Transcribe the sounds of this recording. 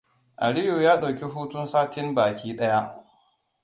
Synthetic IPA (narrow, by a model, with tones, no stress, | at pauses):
ʔa˨ɽɪ˦juː˨jaː˦ɗa˨wkʲi˦ɦuː˦tʊ˦nsaː˦tɪ˦mbaː˨kʲiː˦ɗɐ˦ja˦ʔ